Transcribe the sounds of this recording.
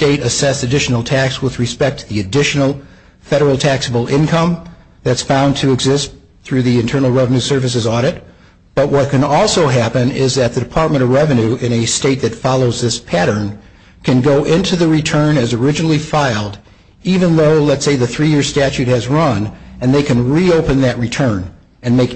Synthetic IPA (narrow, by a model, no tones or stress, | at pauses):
steɪɾɨsɛsɨdɪʃn̩l̩ˠtʰækswəðɹɨspɛk̚t̚ʰðiɨdɪʃn̩l̩ˠ | fɛɾə˞l̩ˠtʰæksəbl̩ˠɪ̃nkʰʌ̃m | ðɨtsfãʊ̃ntʰɨːɡzɪst | θɹʉðiɨ̃ntʰɜ̃˞nl̩ˠɹɛvɨnʉsɜ˞vɨs̬ɨzɔɾɨt̚ | b̥ʌʔ̚wʌt̚kʰɨ̃nɔlˠsoʊɦæpɨ̃nɪzðɨt̪̚ðɨdɨpʰɑɹt̚mɨ̃ɾ̃ʌvɹɛvɨ̃nʉʔɪ̃ñɨsteɪt̪̚ðɨtfɑlˠoʊzðɪspʰæɾə̃˞n | kʰɨ̃nɡoʊʔɪ̃ntʰʉðɨɹitʰɜ̃˞nɨzə˞ɪd͡ʒɨnl̩ˠifaɪlˠd | ivɨ̃nðoʊlətseɪðɨθɹijɪɹz̥stæt͡ʃʉt̚hɨzɹʌ̃nɨ̃nðeɪkɨ̃nɹioʊpɨ̃nðɨt̚ɹitʰɜ̃˞n | ɨ̃nmeɪk